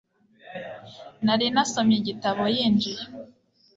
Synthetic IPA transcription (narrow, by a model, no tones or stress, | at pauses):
naɾinasomjeɟitaβojiːnd͡ʒije